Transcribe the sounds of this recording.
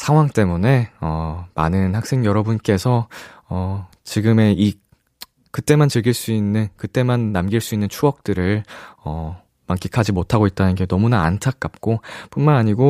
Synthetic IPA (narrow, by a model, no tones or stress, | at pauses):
sʰaŋɦwaŋt͈e̞mune̞ʌma̰nɯnhak̚s͈ʰe̞ŋjʌɾʌbunk͈e̞sʰʌʌ | t͡ɕiɡɯme̞i | kɯt͈e̞mant͡ɕɯɭɡiɭs͈uinːɯnkɯt͈e̞manːamɡiɭs͈uinːɯnt͡ɕʰuʌk̚t͈ɯɾɯɭʌ | maŋk͈ikʰad͡ʑimotʰaɡoit̚t͈anɯnɡe̞nʌmunaa̰ntʰak̚k͈ap̚k͈op͈unmanaɲiɡo